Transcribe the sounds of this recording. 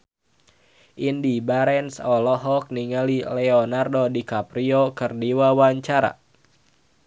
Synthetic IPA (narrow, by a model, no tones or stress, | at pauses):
ʔindibaɾɛnsɔlɔɦɔk̚niŋalilɛɔnardodikapɾiɔkɨrdiwawaɲt͡ʃaɾa̰